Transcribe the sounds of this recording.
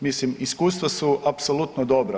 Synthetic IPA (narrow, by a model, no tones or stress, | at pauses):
mislimiskuːst̪ʋasuʔapsolˠut̪nod̪o̞bɾa